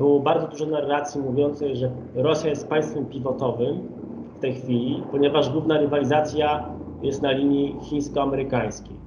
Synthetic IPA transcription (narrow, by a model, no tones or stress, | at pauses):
bɘwɔbaɾd̪zɔd̪uʐɔnarːat̪sʲjimuvʲjɔnt̪sɛjʐɛ | ɾɔsʲjajɛst̪̚paj̃st̪fɛmpʲivɔt̪ɔvɘm | ft̪ɛjxfʲilʲipɔɲɛvaʐɡwuvnaɾɘvalʲizat̪sʲjajɛst̪nalʲiɲixʲĩj̃skɔamɛɾɘkaj̃skʲej